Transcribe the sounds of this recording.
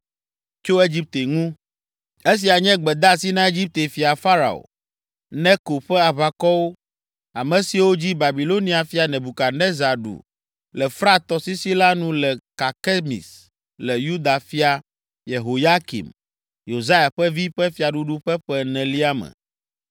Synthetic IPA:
t͡ʃo˦e˦d͡ʑi˦p̚t̪e˨ŋũ˦ | e˦s̬i˨a˨ɲɛ̃˦ɡ͡bɛ˨d̪a˦˨si˦nã˦e˦d͡ʑi˦p̚t̪e˨fi˨a˨fa˦ɾa̰˨o̰˨ | nɛ̃˦ko˨ɸɛ˦a˨βa˨kɔ˦wo˦ | a˨mɛ̃˨si˨wo˦d͡ʑi˦ba˨bi˨lo˦nĩ˨˦a˨fi˦a˨nɛ̃˨bu˨ka˨nɛ̃˦za˨ɖṵ˨ | lɛ˨fɾa˦t̪ɔ˨si˦si˦la˦nũ˦lɛ˨ka˨kɛ˦mḭ˨s | lɛ˨ju˦d̪a˨fi˦a˨ | je˨ɦo˨ja˦kḭ˨m | jo˨za˦ja˨ɸɛ˦vi˦ɸɛ˦fi˨˦a˨ɖu˦ɖu˦ɸɛ˦ɸɛ˦nɛ̃˨li˦a˦mɛ̰̃˨

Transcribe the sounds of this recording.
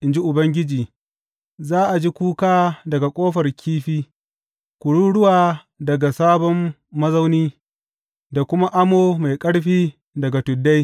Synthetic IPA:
ʔɪ˨nd͡ʒi˦ʔʊ˨bɐ˦ŋɡʲɪ˦d͡ʒiː˨ | zaː˦ʔa˨d͡ʒi˦kʷuː˦kaː˦dɐ˨ɡa˨kʷʼoː˦ɸɐ˨rkʲʰiː˦ɸiː˦ | kʷʊ˨ɽuː˦ɽʊ˦waː˨ | dɐ˨ɡa˨saː˦bɔ˦mː | ɐ˦zɐ˦wniː˦ | da˨kʷʊ˦ma˦ʔa˦moː˦ma˨jkʼɐ˦ɽɸiː˦ | dɐ˨ɡa˨tʊ˨dːa˦j

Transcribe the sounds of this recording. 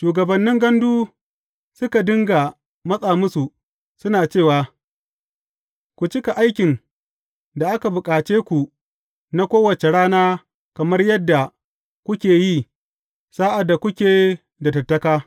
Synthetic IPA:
ʃuː˨ɡɐ˨bɐ˨nːɪ˦ŋɡɐ˦nduː˦ | sʊ˦ka˨dɪ˦ŋɡa˨ | mɐ˦sʼaː˨mʊ˦su˨ | sʊ˦naː˨t͡ʃeː˦˨waː˨ | kʷu˨t͡ʃɪ˦ka˨ʔa˦jkʲɪ˨n | da˨ʔa˦ka˨bʊ˨kʼaː˨t͡ʃeː˦kʷu˨ | na˦kʷoː˦wɐ˨t͡ʃe˨ɽaː˦naː˦ | kɐ˨mɐ˦rjɐ˦dːa˨ | kʷʊ˦kʲeː˨jiː˦ | saː˦ʔa˨dːa˨kʷʊ˦kʲeː˨ | dɐ˨tɐ˨rtːɐ˦kaː˦

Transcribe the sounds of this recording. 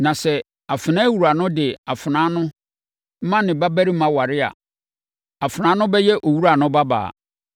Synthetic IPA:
nã˨sɛ˨ | a˨fɪ˨nã˦wu˨ɾa˨nʊ̃˦dɪ˨a˨fɪ˨nã˨˦nʊ̃˦ | m̩˦mã˦nɪ̃˨ba˦bæ˦ɾi˦mã˨wa˨ɾɪ˦a̰˨ | a˨fnãː˨˦nʊ̃˦bɛ˦jɛ˦ʔo˨wu˦ɾa˨nʊ̃˦ba˦ba̰ː˨

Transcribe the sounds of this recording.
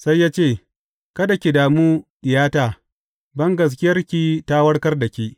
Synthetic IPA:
sa˦jːaː˦t͡ʃeː˦˨ | kɐ˦da˨kʲi˨daː˨muː˦ʔɪ˨jaː˦taː˨ | bɐ˦ŋɡɐ˨s̬kʲɪ˦jɐ˦rkʲi˦taː˦wɐ˦ɽkɐ˦rda˨kʲi˦ʔ

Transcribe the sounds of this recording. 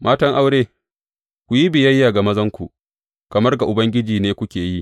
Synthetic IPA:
mʔaː˦tɐ˦ŋʔa˦wɽeː˦ | kʷu˨ji˦bɪ˨jɐ˦jːaː˨ɡa˨mɐ˦zɐ˦ŋkʷu˨ʔ | kɐ˨mɐ˦rɡa˨ʔʊ˨bɐ˦ŋɡʲɪ˦d͡ʒiː˨neː˦kʷʊ˦kʲeː˨ji˦ʔ

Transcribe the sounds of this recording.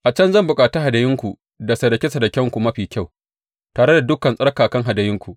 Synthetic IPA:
ʔa˨t͡ʃɐ˦nzɐ˦˨mbʊ˨kʼaː˨ta˦ɦa˨dɐ˨jɪ˦ŋkʷu˨ | da˨sɐ˨dɐ˨kʲe˦sɐ˨dɐ˨kʲɛ˦ŋkʷu˨mɐ˦ɸiː˨kʲa˦˨w | taː˨ɽe˦da˨dʊ˦kːɐ˨nsʼɐ˦ɽkaː˨kɐ˦ŋɦa˨dɐ˨jɪ˦ŋkʷu˨ʔ

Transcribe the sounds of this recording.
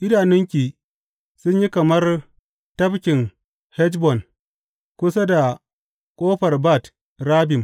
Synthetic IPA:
ʔɪ˦daː˨nɪ˦ŋkʲiː˨ | sʊ˦ɲji˦kɐ˨mɐ˦r | tɐ˦bkʲɪ˨ŋ | hɛ˦d͡ʒbɔ˨n | kʷʊ˦sa˦da˨ | kʷʼoː˦ɸɐ˨rba˦˨t | ɾaː˦bɪ˨m

